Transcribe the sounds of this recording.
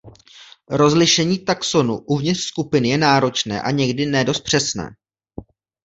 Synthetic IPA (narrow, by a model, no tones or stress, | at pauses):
ɾo̞zlɪʃɛɲiːt̪akso̞nuʔuvɲɪt̪r̥skupɪnɪjɛnaːɾo̞t͡ʃnɛ̰ːʔaɲɛɡdɪnɛdo̞st̪̚pr̥ɛsnɛ̰ː